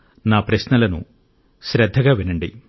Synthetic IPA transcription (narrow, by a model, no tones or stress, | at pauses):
naːpɾɐɕnɐlɐnṵ | ɕɾɐd̪ʱːɐɣɐʋinɐɳɖḭ